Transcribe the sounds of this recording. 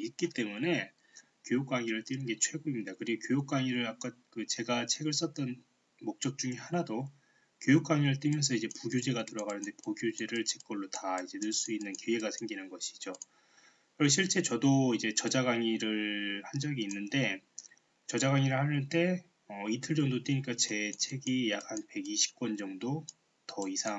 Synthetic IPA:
it̚k͈it͈e̞mune̞ | kjojuk͈̚waŋiɾɯɭt͈inɯnɡe̞t͡ɕʰwe̞ɡoimɲidakɯɾiɡokjojuk̚k͈waŋiɾɯɾap̚k͈akɯt͡ɕe̞ɡat͡ɕʰe̞ɡɯɭs̬͈ʌt͈ʌn | mok̚t͡ɕ͈ʌk̚t͡ɕ͈uŋihanado | kjojuk͈̚waŋiɾɯɭt͈ɯmjʌnsʰʌid͡ʑe̞puɡjod͡ʑeɡatɯɾʌɡanɯnde̞puɡjod͡ʑeɾɯɭt͡ɕek͈ʌɭːotaid͡ʑe̞nɯɭs͈uinːɯnkjoeɡasʰe̞ŋɡinɯnɡʌɕʰi̥d͡ʑo | kɯɾʌɕʰiɭt͡ɕ͈e̞t͡ɕʌdoid͡ʑe̞t͡ɕʌd͡ʑaɡaŋiɾɯɭhand͡ʑʌɡiːnːɯnde̞ | t͡ɕʌd͡ʑaɡaŋiɾɯɭhanɯɭt͈e̞ | ʌitʰɯɭd͡ʑʌŋdot͈eɲik͈at͡ɕe̞t͡ɕʰe̞ɡijak̚hanpe̞ɡiɕʰi̥p̚k͈wʌnd͡ʑʌŋdo | tʌisʰa

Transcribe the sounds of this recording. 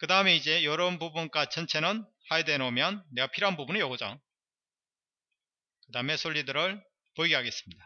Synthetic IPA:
kɯdaɯme̞id͡ʑe̞jʌɾʌnbubunk͈at͡ɕʰʌnt͡ɕʰe̞nɯn | hajede̞nomjʌnːe̞ɡapʰiɾɦanbubunɯjʌɡod͡ʑa̰ | kɯdaɯme̞sʰoʎːidɯɾɯɭ | poiɡeɦaɡe̞s͈ɯmɲida

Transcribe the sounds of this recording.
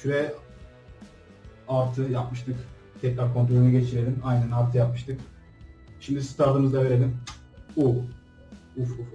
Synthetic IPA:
ʃyɾɛ | aɾt̪ʰɯjapmɯʃt̪ʰɯk | t̪ʰɛclaɾkʰo̞nt̪ɾolʲunuɡɟe̞t͡ʃʰiɾelʲimajnænaɾt̪ʰɯjap̚mɯʃt̪ʰɯk | ʃimd̪ist̪ʰaɾt̪ɯmɯzd̪ˠave̞ɾe̞lʲim | u | ufuf

